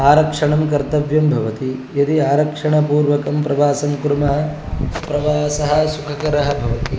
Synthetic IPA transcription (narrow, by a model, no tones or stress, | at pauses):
aːɾɐkʂɐɳɐmkɐɾt̪ɐʋjɐmbʱɐʋɐt̪ijɐd̪iaːɾɐkʂɐɳɐpuːɾʋɐkɐmpɾɐʋaːsɐmkuɾumɐɦɐ̆ | pɾɐʋaːsɐɦɐ̆sukʰɐkɐɾɐɦɐbʱɐʋɐt̪i